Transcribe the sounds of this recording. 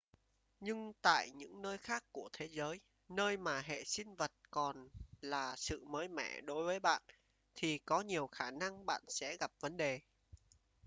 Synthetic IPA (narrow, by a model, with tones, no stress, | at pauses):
ɲɨ˧ŋt̪a̰ː˧˨jɲɨ̰˧˥ŋnəː˧jxaː˦˥kːu˧˩ət̪ʰe˨˦zəː˨˦j | nəː˧jmaː˨˩ɦḛ˧˨sï˧ŋ̟və˨˩t̚kɔ˨˩nlaː˨˩sɨ̰˧˨məː˨˦jmɛ̰˧˩ɗo˨˦jvəː˨˦jɓa̰ː˧˨n | t̪ʰi˨˩kɔ˨˦ɲi˨˩əwxaː˧˩na˧ŋɓa̰ː˧˨nsɛ̰˧˥ɣa˨˩p̚və˨˦nɗe˨˩